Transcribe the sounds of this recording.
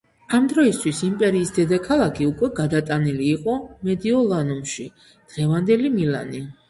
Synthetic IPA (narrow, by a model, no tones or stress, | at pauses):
amd̪ɾɔist̪ʰwisimpʼɛɾiːsd̪ɛd̪akʰalˠakʰiukʼwɛɡad̪at̪ʼaniliːqʼɔmɛd̪iɔlˠanumʃi | d̪̥ʁɛvand̪ɛlimila̰ni